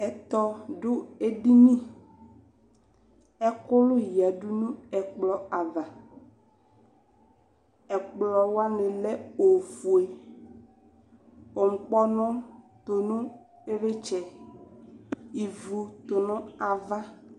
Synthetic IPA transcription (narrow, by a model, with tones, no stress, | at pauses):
ɛ˨t̪ɔ˦ɖo˦e˦ɖi˦mĩ˦ | ɛ˦ko˦lʊ˦ji˨a˨ɖu˦nũ˦ɛ˨k͡plɔ˨a˨va˨ | ɛ˨k͡plɔ˨wa˦nẽ˨lɛ˦o˨vu˨e˨ | o˨ŋ̩˨k͡pɔ˦nɔ̃˦t̪o˨nũ˦ | e˦ɾe˦t͡ʃɛ˨ | i˨vu˨t̪o˨nɔ̃˦a˨va˦